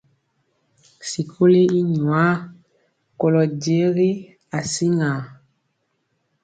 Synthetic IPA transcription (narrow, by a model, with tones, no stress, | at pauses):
si˨kʰo˦le˦i˦ɲwa˦ | ko˨lɔ˨d͡ʒe˨˦ɣi˦ | a˨si˦ŋa˨